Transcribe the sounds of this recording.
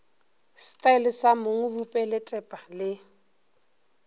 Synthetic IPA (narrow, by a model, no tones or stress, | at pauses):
stʼaɪlɪsamoŋ̩bupʼɛlɪtʼɛpʼalɪ